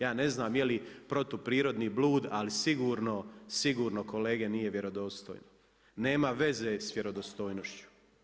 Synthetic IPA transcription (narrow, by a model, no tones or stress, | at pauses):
jaːne̞znaːmjelipɾo̞t̪opɾiːɾo̞d̪niːbluːd̪alisiɡuːɾno̞siɡuːɾno̞ko̞le̞ːɡenije̞ʋje̞ɾo̞d̪o̞ːst̪o̰jno | ne̞ːmaʋe̞zesʋjeɾo̞d̪ost̪ojnoʃt͡ɕu̥